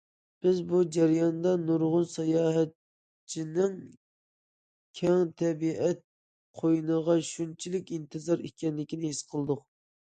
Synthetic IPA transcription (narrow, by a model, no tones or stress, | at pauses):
b̥ɪzbud͡ʒɛɾjɑnd̪ɑnuɾʁʊnsɑjɑːɦɛt̪ | t͡ʃʰinɪŋ | kʲʰɛŋt̪ʰɛbiʔɛt̪̚ | qʰojnəʁɑʃunt͡ʃʰilɪkʲint̪ʰɨzɑɾikʲɛnlɪkʲinɪhisqʰəlˠɨd̪ʊq